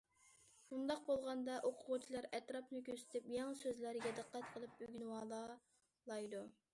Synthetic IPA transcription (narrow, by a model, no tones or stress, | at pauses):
bund̪ɑq̚bolˠʁɑnd̪ɑʔoqʰʊʁʊt͡ʃʰilˠɑɾɛt̪ɾɑpnɨkʲøsɪ̥t̪ʰɪpjɑŋsøzlæɾɡʲɛd̪əqʰːæt̪qʰəlˠɨp̚yɡʲnwɑːlˠɑ | lˠɑjd̪u